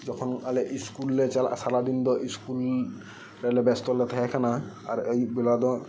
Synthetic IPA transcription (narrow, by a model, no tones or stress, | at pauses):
zɔkʰɔnalɛʔiskulːɛt͡ʃalasalad̪ind̪ɔʔiskul | ɾɛlɛbɛst̪ɔlɛt̪ʰakɛkʰana | aɹejbilad̪ɔ